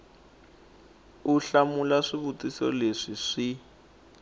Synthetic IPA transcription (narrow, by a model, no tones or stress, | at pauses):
uɬamulaʂiβutisɔ̰leʂiʂi